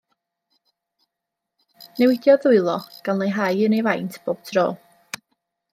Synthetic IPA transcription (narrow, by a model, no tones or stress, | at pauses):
nɛwɪdjɔðʊɨlˠɔɡ̥anlˠejɦajənejvajntʰb̥oːb̥̚tʰro̰ː